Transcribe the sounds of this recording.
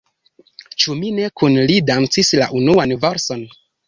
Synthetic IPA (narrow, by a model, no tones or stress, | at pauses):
t͡ʃumine̞kunlidant͡sisla̰ʔunuanvaɾso̞n